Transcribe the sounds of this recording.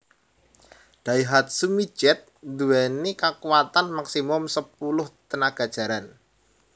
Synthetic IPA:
ɖ̥aiɦat̪̚sumi̥d͡ʒ̥ɛt̪̚nd̪uwɛnikakuwat̪anmaksimʊmsəpulʊht̪ənaɡ̥a̤d̥ʒ̥a̤ɾan

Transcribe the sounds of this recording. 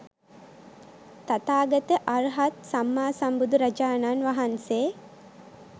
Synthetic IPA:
t̪at̪aːɡət̪əʔaɾɦat̪samːaːsambud̪uɾɐd͡ʒaːnanʋaɦanseː

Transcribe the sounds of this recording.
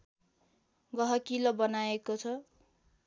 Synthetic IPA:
ɡʌɦʌkilobʌnaekot͡sʰʌ

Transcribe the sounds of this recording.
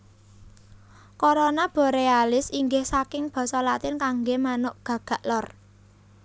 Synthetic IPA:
koɾonab̥ɔ̤ɾealɪsiŋɡɪhsakɪŋb̥ɔ̤sɔlat̪ɪnkaŋɡemanʊʔɡ̥ä̤ɡ̥a̤ʔlɔr

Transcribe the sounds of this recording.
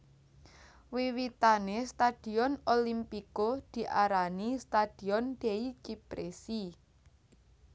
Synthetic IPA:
wiwit̪anest̪ad̥i̤ɔnolimpikod̪̥i̤ʔaɾanist̪ad̥i̤ɔnɖ̪̥eit͡ʃipɾesi

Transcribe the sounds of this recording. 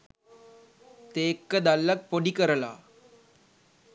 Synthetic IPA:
t̪eːkːɐd̪ɐlːɐk̚poɽikɐɾɐla̰ː

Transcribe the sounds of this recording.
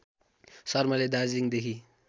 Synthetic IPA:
sɔɾmaled̪aziŋd̪ekʰi

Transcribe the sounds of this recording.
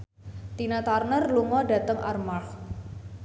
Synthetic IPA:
t̪inat̪arnərluŋɔɖa̤t̪əŋʔarmax

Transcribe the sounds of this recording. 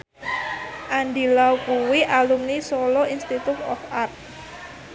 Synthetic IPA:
ʔand̪ilaukuwiʔalumnisɔlɔinst̪it̪ʊt̪ɔfart̪̚

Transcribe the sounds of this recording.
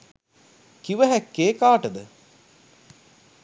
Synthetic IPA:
kiʋəɦækːeːkaːʈəd̪ə

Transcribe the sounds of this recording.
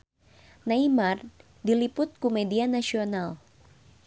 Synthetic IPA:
naimar | dilipʊt̪̚kumɛdianasiɔnal

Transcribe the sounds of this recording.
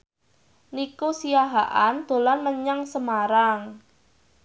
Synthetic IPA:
nikusijaɦaʔand̪̥o̤lanməɲaŋsəmaɾaŋ

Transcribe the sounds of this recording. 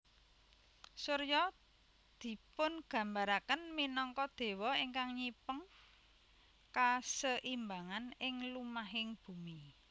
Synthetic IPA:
suɾjɔ | d̪̥i̤pʊnɡ̥ä̤mbaɾakənminɔŋkɔd̪̥e̤wɔiŋkaŋɲipəŋ | kasəʔimbaŋanɪŋlumaɦɪŋb̥ṳmi

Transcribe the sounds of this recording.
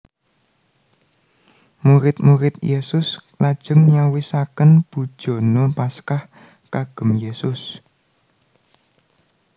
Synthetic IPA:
muɾɪt̪̚muɾɪt̪jesʊslad̥ʒ̥ə̤ŋɲawisakənb̥ṳd̥ʒ̥o̤nopaskah | kaɡ̥ə̤mjesʊs

